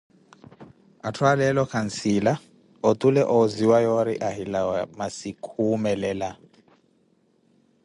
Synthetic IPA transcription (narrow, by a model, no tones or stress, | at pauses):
atʰwalɛlɔkʰansila | ɔt̪ʼulɛʔɔziwajɔɾiʔaɦilawamasikʰumɛlɛla